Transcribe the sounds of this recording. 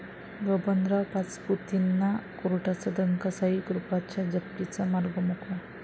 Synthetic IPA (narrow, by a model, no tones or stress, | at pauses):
ɡəbənd̪ɾapat͡sput̪inːakoɾuʈat͡sad̪əŋkasaɦikɾupat͡ɕjad͡ʑəkt̪it͡samaɾɡəmukʰʋa